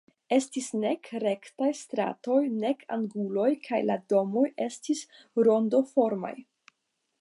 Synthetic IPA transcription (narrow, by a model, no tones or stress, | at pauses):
e̞stisne̞kɾe̞ktajst̪ɾa̰to̞jne̞kʰa̰ŋɡulo̞jkʰajla̰do̞mo̞je̞stis | ɾo̞ndo̞fo̞ɾma̰j